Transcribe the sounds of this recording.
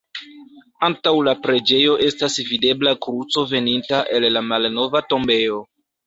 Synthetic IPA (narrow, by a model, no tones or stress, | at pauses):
antawlapɾe̞d͡ʒe̞jo̞ʔe̞stasvide̞blakɾut͡so̞ve̞nintaʔe̞lːamalno̞vato̞mbe̞o̞